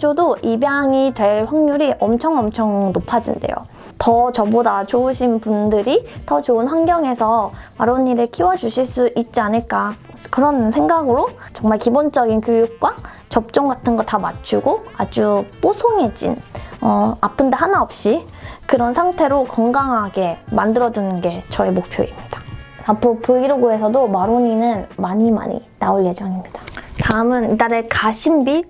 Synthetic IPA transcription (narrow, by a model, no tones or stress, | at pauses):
d͡ʑodoʔibjaŋitwe̞ɭɸwaŋɲuɾiʔʌmt͡ɕʰʌŋʌmt͡ɕʰʌŋnopʰad͡ʑḭnde̞̰jo̰ | tʌt͡ɕʌbodat͡ɕouɕʰinpundɯɾitʌt͡ɕounɸwanɡjʌŋe̞sʰʌmaɾonːiɾekʰiwʌd͡ʑuɕʰiɭs͈uʔit̚t͡ɕ͈ianɯɭk͈a | kɯɾʌnsʰe̞ŋɡaɡɯɾot͡ɕʌŋmaɭkibond͡ʑʌɡinkjojuk̚k͈wa | t͡ɕʌp̚t͡ɕ͈oŋɡatʰɯnɡʌtamat͡ɕʰuɡoad͡ʑup͈osʰoŋe̞d͡ʑḭnʌapʰɯndaɦanaʌp̚ɕ͈i | kɯɾʌnsʰaŋtʰe̞ɾokʌŋɡaŋɦaɡe̞mandɯɾʌd͡ʑunɯnɡe̞t͡ɕʌe̞mok̚pʰjo̰imɲid̥aapʰɾopuɡiɾoɡoe̞sʰʌdomaɾoɲinɯnmaɲima̰ɲḭnaɯɭje̞d͡ʑʌŋimɲid̥ḁtaɯmɯnidaɾe̞kaɕʰimbi